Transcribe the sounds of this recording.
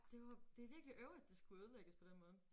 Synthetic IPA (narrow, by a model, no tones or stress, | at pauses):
d̥e̝ʋɑd̥e̝æʋiɐɡ̥liʔøʊid̥ːe̝sɡ̥uuðˠleɡ̥əspʰɒ̽d̥enmɔ̽ːð̩ˠ